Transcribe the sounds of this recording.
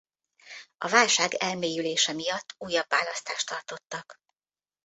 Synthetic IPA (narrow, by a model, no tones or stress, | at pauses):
ɒvaːlʃaːɡɛlmeːjyleːʃɛmijɒt̪ʰːuːjːɒbːaːlɒst̪aːʃt̪ɒrt̪o̞t̪ːɒk